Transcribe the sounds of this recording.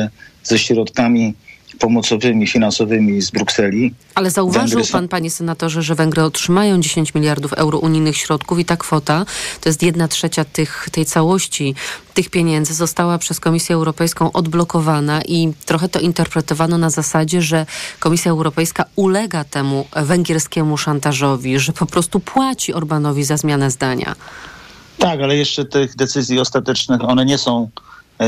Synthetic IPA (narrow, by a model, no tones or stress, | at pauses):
z̥ɛɕɾɔt̪kamʲipɔmɔt̪sɔvɘmʲifʲinansɔvɘmʲizbɾuksɛlʲi | alɛzauvaʐɡɾwpanpaɲɛsɛnat̪ɔʐɛʐɛvɛŋɡɾɛɔtʂɘmajɔ̃w̃d͡ʑeɕeɲt͡ɕmʲilʲjaɾd̪ufɛ̰wɾɔʔuɲijnɘxɕɾɔt̪kufit̪akfɔt̪at̪ɔjɛst̪jɛd̪natʂɛt͡ɕat̪ɘxt̪ɛjt̪sawɔɕt͡ɕit̪ɘxpʲjeɲɛnd̪zɘzɔst̪awapʂɛskɔmʲisʲjɛːwɾɔpɛjskɔ̃w̃ʔɔd̪blɔkɔvanaʔit̪ɾɔxɛt̪ɔʔint̪ɛɾpɾɛt̪ɔvanɔnazasad͡ʑɛʐɛkɔmʲisʲjaɛwɾɔpɛjskaulɛɡat̪ɛmuvɛŋɡʲɛɾskʲɛmuʂant̪aʐɔvʲiʐɛpɔpɾɔst̪upwat͡ɕiɔɾbanɔvʲizazmʲjanɛzd̪aɲa̰ | t̪akalɛjɛʂt͡ʂɛt̪ɘɣd̪ɛt̪sɘzʲjiɔst̪at̪ɛt͡ʂnɘxɔnɛɲɛsɔ̃w̃